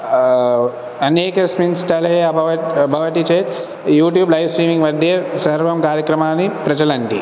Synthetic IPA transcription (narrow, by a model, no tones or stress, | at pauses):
ɐneːkɐsminsʈɐlɐɐbʱɐʋɐbʱɐʋɐʈit͡ʃeːʈ | juːʈ̬juːblɐjʋsɾiːmiŋɡʋɐd̪ʱjesɐɾʋɐmkaːɾjɐkɾɐmaːnipɾɐd͡ʒɐlɐɳʈḭ